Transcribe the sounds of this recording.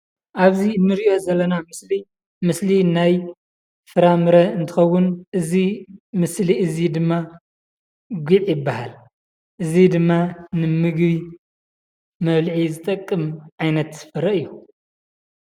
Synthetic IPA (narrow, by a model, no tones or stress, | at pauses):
ʔaβziɨnːɨɾiʔo̞zɐlːɐnamɨsli | mɨslinaj | fɨɾamɨɾɐɨnt̪ʰɨ̥xɐwːʊnʔɨzimɨsliʔɨzid̪ɨmːa | ɡʷiʕjɪbːaha̰l | ʔɨzid̪ɨmːanɨmɨɡβi | mɐβlʕizɨt̪ʼɐkʼːɨmʕajnɐt̪z̥ɨ̥fɨɾːɐɨjːu